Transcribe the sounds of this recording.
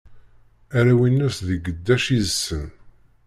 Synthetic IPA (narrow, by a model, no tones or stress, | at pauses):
æɾæwinːæsðəɡəd̪ːæʃizəsːən